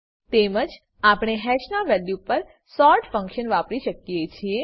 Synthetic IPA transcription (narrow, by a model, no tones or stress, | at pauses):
t̪eməd͡ʒ | apɽ̃eɦɛʃnaʋɛljupəɾ | sɔɾʈfə̃ŋkʃənʋapɾiʃəkiet͡ʃʰie